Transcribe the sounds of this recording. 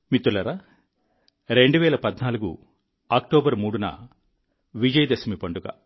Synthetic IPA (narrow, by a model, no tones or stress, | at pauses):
mit̪ːulɐɾa | ɾe̞ɳɖuʋɛːlɐpɐd̪naːluɡṵ | aːk̚ʈoːbɐɾmuːɽunɐ̰ | ʋid͡ʒɐjɐd̪ɐsɐmipɐɳɖuɡɐ̰